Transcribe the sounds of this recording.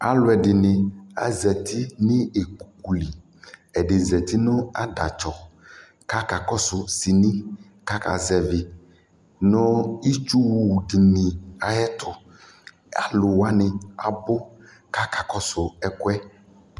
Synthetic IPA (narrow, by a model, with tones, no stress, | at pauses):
a̰˨lʊ˦ɛ˨ɖɪ˨nɪ̃˨a̰˨zɛ˨t̪ʰi˦nɪ̃˦e˨ku˨ku˨li˨ | ɛ˨ɖɪ˨zɛ˨t̪i˦nʊ̃˦a˦ɖa˨t͡ʃɔ˨ | ka˦ka˨kɔ˦sʊ˨si˨nĩ˦ | ka˦ka̰˨zɛ˨vɪ˨ | nʊ̃˦i˦t͡ʃu˦wu˦˨ɖi˨nĩ˨a˨jɛ˦t̪ʰʊ˨ | a̰˨lʊ˨wa˦nɪ̃˨a˨bʊ˦ | ka˦ka˨kɔ˦sʊ˨ɛ˨kʊ˦ɛ˦